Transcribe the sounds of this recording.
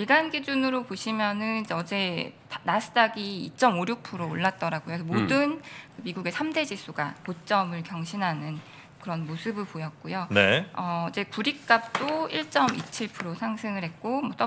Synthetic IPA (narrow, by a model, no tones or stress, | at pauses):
iɭɡanɡid͡ʑunɯɾopoɕʰimjʌnɯnʌd͡ʑe̞ | nasʰɯ̥t͈aɡḭːt͡ɕ͈ʌmoɾjuk̚pʰɯɾoːɭːat̚t͈ʌɾaɡojosʰʌmodɯnkɯmiɡuɡe̞sʰamde̞d͡ʑisʰuɡa̰kot͡ɕ͈ʌmɯɭkjʌŋɕʰinɦanɯn | kɯɾʌnmosʰɯbɯɭpojʌt̚k͈ujoneʌid͡ʑe̞kuɾik̚k͈ap̚t͈oiɭt͡ɕ͈ʌmit͡ɕʰiɭpʰuɾosʰaŋsʰɯŋɯɭɦe̞t̚k͈omwʌt͈ʌ